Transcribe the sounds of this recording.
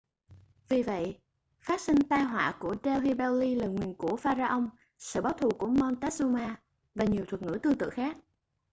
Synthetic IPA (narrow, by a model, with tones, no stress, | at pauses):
vi˨˩və̰˧˨jʔ | faː˦˥t̚sï˧ŋ̟t̪aː˧jɦwa̰ː˧˨ku˧˩ət͡ɕɛ˧wɦi˧ɓɛ˧wli˧laː˨˩ŋwi˨˩ənku˧˩əfaː˧zaː˧ʔə˧wŋ͡m | sɨ̰˧˨ɓaː˨˦wt̪ʰu˨˩ku˧˩əmɔ˧nt̪ɛ˦˥s̚zu˧maː˧ | vaː˨˩ɲi˨˩əwt̪ʰwə˨˩ŋɨ̰˧˥t̪ɨ˧t̪ɨ̰˧˨xaː˦˥k̚